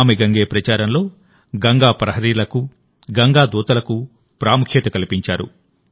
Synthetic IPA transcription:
meɡɐŋɡeːpɾɐt͡ʃaːɾɐmlo̞ː | ɡɐŋɡaːpɾɐɦɐɾiːlɐku | ɡɐŋɡaːd̪uːt̪ɐlɐku | pɾaːmukʰjet̪ɐkɐlipiɲt͡ʃaːɾṵ

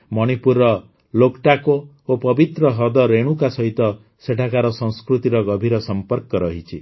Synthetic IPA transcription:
mɔɽ̃ipuɾɔ | lokʈako | opɔbit̪ɾɔɦɔd̪ɔɾeɽ̃ukasɔɦit̪ɔ | seʈʰakaɾɔsɔ̃ŋ̃skɾut̪iɾɔɡɔbʱiɾɔsɔmpɔɾkɔɾɔɦit͡ʃʰi

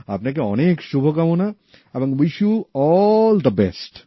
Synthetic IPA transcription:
apnek̬eɔneːkʃubʱəkamuna | ɛbɐ̃ŋʋiʃjuɔld̪əbɛsʈ

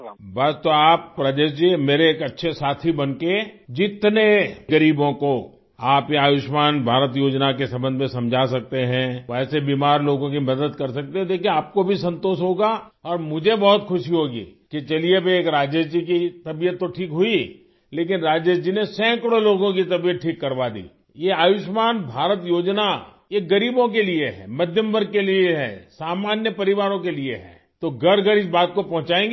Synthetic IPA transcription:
bɐst̪oaːpːɾaːd͡ʒesd͡ʒimeːɾeːkɐtːʃʰesaːt̪ʰibɐnked͡ʒɪt̪neɡɐɾiːbõko | aːpjeaːʋɪʃmaːnbʱaːɾət̪joːd͡ʒnakesɐmbə̃nd̪mẽsɐ̃md͡ʒʱasɐk̚t̪eɦɛ̃ɛːsebiːmaːɾloːɡõk̬imɐd̪əd̪kɐɾsɐk̚t̪eɦɛ̃d̪eːkʰiẽaːp̚kobʱisɐ̃nt̪oːʃɦoːɡa | ɔːɾmʊd͡ʒʱebɔɦʊt̪xʰʊʃiɦoːɡḭːket͡ʃɐliebʱeeːkɾaːd͡ʒəd͡ʒikit̪ɐbijət̪ːoʈʰiːkɦʊi | leːk̬ɪnɾaːd͡ʒəd͡ʒd͡ʒinesɛ̃ːkɽoloːɡõkit̪ɐbijət̪̚ʈʰiːkːɐɾʋad̪ḭː | jeaːʋɪʃmaːnbʱaːɾət̪joːd͡ʒna | jeɡɐɾiːbõk̬elieɦɛ̰mɐd̪ʱjəmbəɾkelieɦɛ̰ːsaːmaːnjəpɐɾɪʋaːɾõkelieɦɛ̰ː | t̪oɡɐɽɡəɽɪsbaːt̪̚kopɐ̃ɦʊ̃t͡ʃaːẽːŋɡ

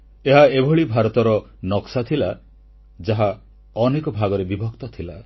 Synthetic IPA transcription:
eɦaebʱɔɭibʱaɾɔt̪ɔɾɔ | nɔksat̪ʰila | d͡ʒaɦa | ɔnekɔbʱaɡɔɾebibʱɔkt̪ɔt̪ʰila

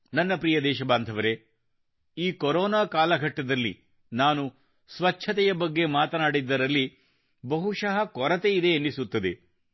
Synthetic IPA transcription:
nɐnːɐpɾiːjɐd̪ɛːʃɐbaːnd̪ʱɐʋɐɾe̞ | iːkɔɾoːnaːkaːlɐɡʱɐʈːɐd̪ɐlːḭ | naːnu | sʋɐt͡ʃʰɐt̪ɛjɐbɐɡːe̞maːt̪ɐnaːɽid̪ːɐɾɐlːi | bɐɦuʂɐɦɐkɔɾɐt̪eid̪e̞ːnːisut̪ːɐd̪e

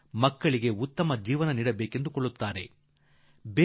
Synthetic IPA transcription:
mɐkːɐɭiɡe̞ut̪ːɐmɐd͡ʒiːʋɐnɐniːɽɐbeːke̞nd̪ukoɭːut̪ːaːɾe̞ | beː

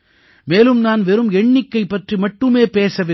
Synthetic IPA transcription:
meːlɯmnaːnʋɛɾɯmɛɳːɪkːɐɪpːɐʈrimɐʈːɯmeːpeːsɐʋɪ

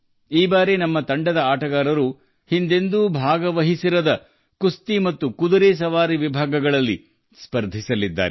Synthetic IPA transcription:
iːbaːɾenɐmːɐt̪ɐɳɖɐd̪ɐaːʈɐɡaːɾɐɾu | hind̪e̞nd̪ubʱaːɡɐʋɐɦisiɾɐd̪ɐ | kust̪imɐt̪ːukud̪ɐɾes̬ɐʋaːɾiʋibʱaːɡɐɡɐɭɐlːi | spɐɾd̪ʱisɐlid̪ːa̰ːɾe

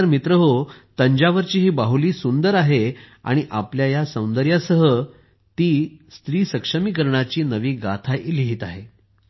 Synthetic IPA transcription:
ɾmit̪ɾəɦot̪əɲd͡ʑaʋəɾt͡ɕiːɦiːbaɦuliːsund̪əɾaɦe | a̰ɽ̃iʔa̰pljajasəw̃nd̪əɾjasəɦə | t̪iːst̪ɾiːsəkʂəmikəɾɳ̃at͡ɕiːnəʋiːɡa̰t̪ʰaʔiliɦiːt̪aɦe

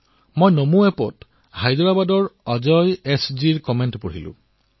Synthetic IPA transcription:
mojnomuɛpɔt | hajdɔbabadɔɹɔzɔjɛsziɹkɔmentpoɹḭlʊ̰̃

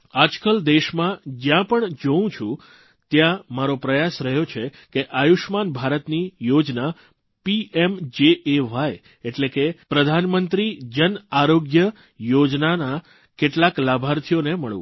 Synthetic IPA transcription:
ad͡ʒkəld̪eʃmãd͡ʒjãpəɳd͡ʒəũt͡ʃʰũ | t̪jãmaɾopɾəjasɾəɦjot͡ʃʰe | keʔajuʃmanbʱaɾət̪nijod͡ʒna | piemd͡ʒeeʋaj | eʈlekepɾəd̪ʱanmənt̪ɾid͡ʒənaɾoɡjə | jod͡ʒnana | keʈlaklabʱaɾt̪ʰijoneməɭṵ̃

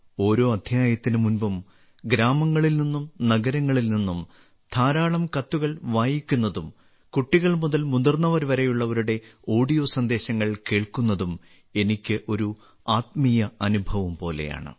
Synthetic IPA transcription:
o̞ːɾo̞ːɐd̪ʱjaːjɐt̪ːinɨmunbɐm | ɡɾaːmɐŋːɐɭilninːumnɐɡɐɾɐŋːɐɭilninːum | t̪ʰaːɾaːɭɐmkɐt̪ːuɣɐɭʋaːjikʲːunːɐðum | kuʈːiɣɐɭmuðɐlmund̪ɐrnːɐʋɐɾʋɐɾejuɭːɐʋɐɾuɽe̞o̞ːɖijo̞ːsɐnd̪e̞ːɕɐŋːɐɭke̞ːɭkunːɐðum | e̞nikʲːɨʔo̞ɾu | aːt̪mijɐɐnubʱɐʋɐmpo̞ːle̞̰ja̰ːɳɨ̰

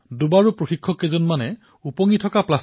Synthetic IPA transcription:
dubaɹupɹoxikʰːɔkezɔnmanɛ | upɔŋitʰɔkaplas

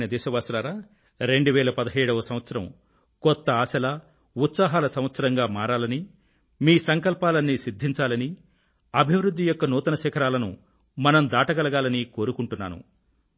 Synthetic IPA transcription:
nɐd̪ɛːʃɐʋaːsɐlaːɾaː | ɾe̞ɳɖuʋɛːlɐpɐd̪ɐɦɐjɽɐʋɐsɐm̃ʋɐt̪sɐɾɐm | kɔt̪ːɐaːsɐlɐ | ut̪saːɦaːlɐsɐmʋɐt̪sɐɾɐŋɡaːmaːɾaːlɐni | miːsɐŋkɐlpaːlɐnːisid̪ʱːiɲt͡ʃaːlɐni | ɐbʱiʋɾud̪ʱːijɔkːɐnuːt̪ɐnɐʃɛkʰɐɾaːlɐnṵ | mɐnɐmd̪aːʈɐɡɐlɐɡaːlɐniko̞ːɾukuɳʈunːa̰ːnṵ

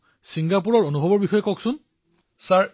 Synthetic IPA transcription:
siŋɡapuɹɔɹonubʱɔbɔɹbixɔjɔkɔksʊn | saɹ

